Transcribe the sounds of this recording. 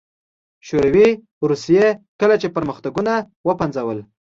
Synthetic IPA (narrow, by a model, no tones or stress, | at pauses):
ʃoɾawi | ɾusijekəlat͡ʃepəɾməxt̪aɡuna | wəpanzawəl